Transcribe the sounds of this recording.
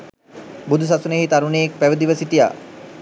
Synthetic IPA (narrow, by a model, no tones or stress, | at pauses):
bud̪us̬asuneɦit̪aɾunejek̚pæʋəd̪iʋəsit̪ija̰ː